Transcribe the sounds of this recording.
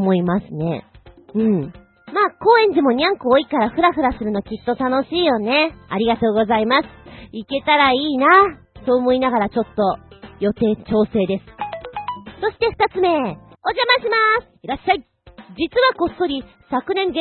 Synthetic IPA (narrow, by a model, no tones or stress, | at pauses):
mo̞imasɨne̞̰ɯ̟̃ɴ | maːko̞ːẽ̞ɲ̟d͡ʑimo̞ɲ̟ʲãŋkoːikaɾaɸɯ̟ɾaɸɯ̟ɾasɨɾɯ̟nokʲit̪ːo̞t̪ano̞ɕiːjo̞ne̞aɾʲiɡat̪o̞ːɡo̞zaimasɨ̥ike̞t̪aɾaiːna | t̪oːmo̞inaɡaɾat͡ɕo̞t̪ːo̞jo̞t̪e̞ːt͡ɕo̞ːse̞ːd̪e̞sɨ̥ | so̞ɕi̥t̪e̞ɸɯ̥t̪at͡sɨme̞ | o̞ʑamaɕimasɨ̥iɾaɕai | d͡ʑit͡sɨβako̞sto̞ɾʲi | sakɯ̟nẽ̞ŋɡe